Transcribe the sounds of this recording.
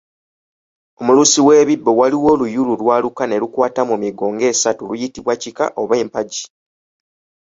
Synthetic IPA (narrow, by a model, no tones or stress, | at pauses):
o̞mulusiwe̞ːβibːo̞waliwo̞ːlujululwaːlukane̞lukwaːtamumiɡo̞ːŋɡe̞ːsatulujitiβwacika̰ʔo̞βe̞ːmpaɟi̥